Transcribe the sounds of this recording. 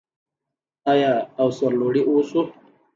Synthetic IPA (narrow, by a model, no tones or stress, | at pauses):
ajaːwsɐɾloːɽiʔoːsu